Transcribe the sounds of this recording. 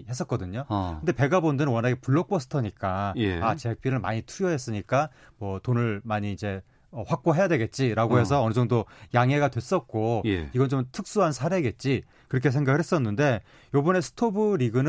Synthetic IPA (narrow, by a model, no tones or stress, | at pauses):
hes͈ʌk͈̚ʌdɯɲokɯnde̞pe̞ɡabondɯɾɯnwʌnaɡepuɭːʌk̚p͈ʰosʰɯ̥tʰʌɲik͈ajat͡ɕek̚p͈iɾɯɭma̰ɲitʰuɾjʌɦe̞s͈ɯɲik͈a | mwʌtonɯɭmaɲiːd͡ʑe̞ | ʌɸak̚p͈oɦe̞jadwe̞ɡe̞t̚t͡ɕ͈iɾaɡoɦe̞sʰʌːnɯd͡ʑʌŋdojaŋe̞ɡadwe̞s͈ʌt̚k͈oiɡʌnt͡ɕomtʰɯk̚s͈uɦansʰaɾe̞ɡe̞t̚t͡ɕ͈i | kɯɾʌkʰes̬ʰe̞ŋɡaɡɯɭɦhes͈ʌnːɯnde̞ | jobʌne̞sʰɯ̥tʰobɯɾiɡɯnɯ